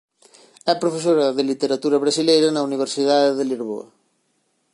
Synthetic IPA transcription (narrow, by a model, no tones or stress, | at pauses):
ɛpɾofesoɾɐðelit̪eɾat̪uɾɐβ̞ɾasilejɾanauniβ̞eɾsiðaðeðelizβ̞o̰ɐ̰